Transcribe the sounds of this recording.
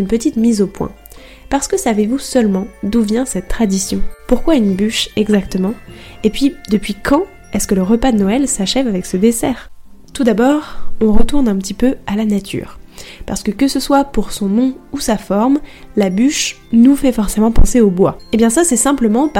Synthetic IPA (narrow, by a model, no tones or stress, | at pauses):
ynpət̪it̪mizopwɛ̰̃ | paʁsə̥kəsavevusœlmɑ̃d̪uvjɛ̃sɛt̪ːχad̪isjɔ̰̃puʁkwaynbyʃɛɡzakt̪əmɑ̃epɥid̪əpɥikʰɑ̃ | ɛskələʁəpad̪ənɔɛlsaʃɛvavɛksəd̪esɛːʁ | t̪ud̪abɔːʁɔ̃ʁət̪uʁnɛ̃pət̪ipøalanat̪ʰy̰ːʁpaʁsə̥kəkəsəswapuʁsɔ̃nɔ̃usafɔʁmlabyʃ | nufɛfɔʁsemɑ̃pɑ̃seobwaebjɛ̃sasɛsɛ̃pləmɑ̃p